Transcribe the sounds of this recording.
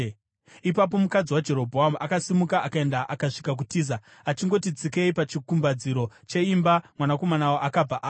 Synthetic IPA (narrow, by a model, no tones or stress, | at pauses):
ipap̬o̞mukad͡ziwad͡ʒe̞ɾo̞bʱoɦamuʔakasimukaʔakae̞ndaʔakaʂi̥kak̬utiːza | at͡ʃiŋɡo̞tid͡zikeipat͡ʃikumbad͡ziɾo̞t͡ʃe̞imbamwanako̞manawoʔakab͡vaʔaː